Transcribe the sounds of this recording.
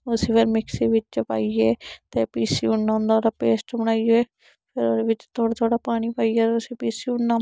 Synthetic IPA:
ʊsiːpʰɪɾmɪksiːʋɪt͡ʃt͡ʃpa̰ːieːt̪eːpiːsiʊnːãːnd̪aoɾapeːsʈbəɽ̃aːieː | pʰɪɾoːɾeʋɪt͡ʃt̪ʰoːat̪ʰoːɽapaːɽ̃ipaːiɛːt̪ːʊsipiːsiʊɳːa

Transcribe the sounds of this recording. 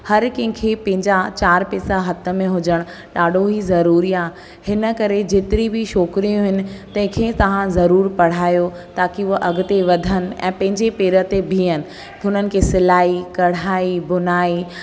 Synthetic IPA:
hɐɾkɐ̃ɦɪ̃kʰeːpɐ̃ɦɪ̃ɲd͡ʑat͡ɕaːɾpɛːsaɦɐt̪ə̆mẽɦʊd͡ʑəɽ̃ | ɗaːɖʱoɦizɐɾuːɾiaː | hɪnə̆kɐɾed͡ʑeːt̪ɪɾibʱiʃɔːkɾijũɦɪnɪ̆t̪ɐ̃ɦɪ̃kʰeːt̪ɐʋ̤ãzɐɾuːɾpɐɽ̤aːjo | t̪aːkiʊɦʔɐɡʊt̪eʋɐd̪ʱənɪ̆ɛ̰̃ːpɐ̃ɦɪ̃ɲd͡ʑepeːɾət̪ebʱĩːənɪ̆ | ʊnənɪ̆kʰeːsɪlaːikɐɽ̤aːibʊnaːi

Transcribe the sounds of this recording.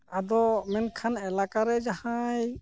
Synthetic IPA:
ad̪ɔmɛnkʰanɛlakaɾɛd͡ʒahãj

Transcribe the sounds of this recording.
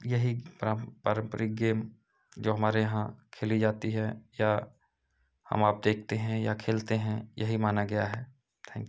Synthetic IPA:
jɐɦipɾapaːɾə̃mpəɾɪk̚ɡeːm | d͡ʒoːɦɐmaːɾejɐɦãkʰeːlid͡ʒaːt̪iɦɛja | hɐ̰maːp̚d̪eːk̚ʰt̪eɦɛ̃jakʰeːlt̪eɦɛ̃jɐɦimaːnaɡɐjaɦɛː | t̪ʰɛ̃ːŋkj

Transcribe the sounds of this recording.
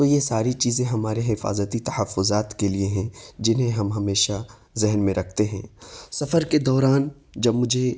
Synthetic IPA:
t̪ojesaːɾit͡ʃiːzẽɦɐmaːɾeɦɪfa̰ːzət̪it̪ɐhəfːʊzaːt̪kelieɦɛ̃d͡ʒɪnɦẽɦɐmɦɐmeːʃa | zɪɦnmẽɾɐkʰt̪eɦɛ̰̃ːsɐfəɾked̪ɔːɾaːn | d͡ʒɐbmʊd͡ʒʱe

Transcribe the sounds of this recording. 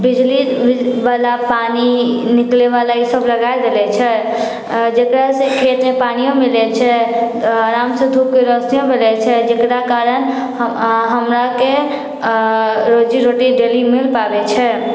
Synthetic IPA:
bid͡ʒlibalapaninikleβalaisəbləɡaed̪elɛt͡ʃʰɛ | d͡ʒekɾasẽkʰet̪mepanijõmilɛt͡ʃʰɛ | ɾamsə̃d̪ʱupkeɾəsnijõbʱelɛt͡ʃʰɛd͡ʒekɾakaɾən | ɦəmɾake | ɾod͡ʒiɾoʈiɖelimilpabɛt͡ʃʰɛ

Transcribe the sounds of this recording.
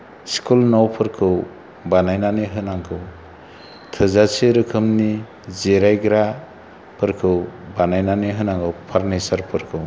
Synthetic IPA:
skʰulnawpʰɯɾkʰɯw | banajnaniɦɯnaŋkʰɯw | tʰɯzaseɾɯkʰɯmni | zeɾajɡɾa | pʰɯɾkʰɯwbanajnaniɦɯnaŋkʰɯwpʰaɾnajsaɾpʰɯɾkʰɯw

